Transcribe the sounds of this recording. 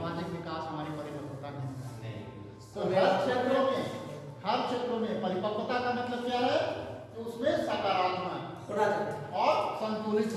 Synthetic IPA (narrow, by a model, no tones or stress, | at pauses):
maːd͡ʒɪkʋɪkaːsɦɐmaːɾepəɾipəɾpət̪anẽma̰ːḛ | t̪oɦəɾkʃʰet̪ɾõmẽ | həɾkʰʃeːt̪ɾõmẽpəɾɪpəpət̪akɐnekəkjaɦɛt̪oʊsmẽsaːkaːɾaːt̪maɦɛ̰ | ɔːɾsə̃nt̪ulɪt̪